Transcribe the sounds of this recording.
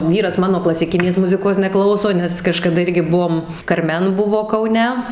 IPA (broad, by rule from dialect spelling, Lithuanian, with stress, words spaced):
ˈʋʲiːrɐs ˈmɑːnoː klˠɐsʲɪˈkʲɪnʲeːs ˈmʊzʲɪkoːs nʲɛˈklˠɐʊsoː nʲɛs kɐʃkɐˈdɐ ˈɪrʲɡʲɪ ˈbuɔm kɐrʲˈmʲɛn ˈbʊʋoː kɐʊˈnʲɛ